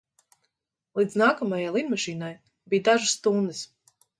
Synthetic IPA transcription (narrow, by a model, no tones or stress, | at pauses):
lˠid̪znaːkɔmajajlˠid̪mɔʃiːnaj | bijd̪aʒɨst̪und̪ɨs